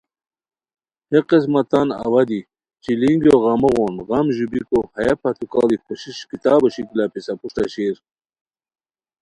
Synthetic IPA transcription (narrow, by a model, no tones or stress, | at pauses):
heqis̬mɐt̪ɑnɐ̰wɐd̪i | t͡ɕiliŋɡoɣɐmɐɣonɣɑmʑubikohɐjapʰɐt̪ukɑ̰ːlikʰoɕiɕkit̪ɑːbɐɕikilapisapuʂt̪aɕeːɾ